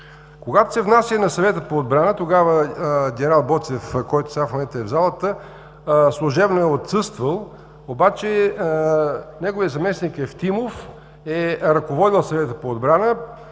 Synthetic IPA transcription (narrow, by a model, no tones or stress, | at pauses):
koɡat̪o̥sɛvnasjənɐsɐvɛt̪əpoːd̪̚bɾanət̪oɡavəɡʲɛnɛɾalˠbɔt̪sɛfkɔjt̪oʊsɡafmomɛnt̪əɛvzalˠət̪ə | slˠʊʒɛbnoɛot̪sɤst̪vəlˠ | obat͡ʃɛ | nɛɡovijət̪zɐmɛsnikɛft̪imof | ɛɾɐkovɔd̪ilˠsɐvɛt̪əpoːd̪bɾanə